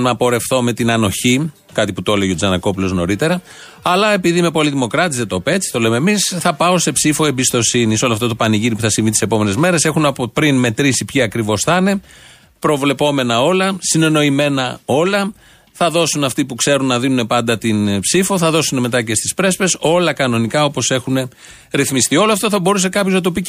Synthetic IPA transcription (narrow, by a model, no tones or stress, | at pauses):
nɐpo̞ɾe̞fθo̞me̞t̪inɐno̞çi | kɐt̪iput̪oleʝeod͡zɐnɐko̞pulo̞zno̞̰ɾit̪e̞ɾɐ | ɐlɐe̞piðime̞po̞liðimo̞kɾɐt̪izðet̪ope̞t͡si̥t̪o̞lememisθɐpɐo̞se̞psifoe̞mbist̪o̞siniso̞lɐft̪ɐt̪o̞pɐniʝiɾipuθɐsiɱvit̪ise̞po̞me̞ne̞zme̞ɾe̞se̞xunɐpopɾinme̞t̪ɾisipçiɐkɾivo̞sθɐne̞ | pɾo̞vle̞po̞me̞nɐo̞lɐsine̞no̞ime̞nɐo̞lɐ | θɐðo̞sunɐft̪ipukse̞ɾunːɐðinune̞pɐnd̪ɐt̪inpsifo̞θɐðo̞sune̞me̞t̪ɐce̞st̪i̥spɾe̞spe̞so̞lɐkɐno̞nikɐo̞po̞se̞xune̞ | ɾiθmist̪io̞loɐft̪o̞θɐbo̞ɾus̬e̞kɐpçoznɐt̪̬o̞pi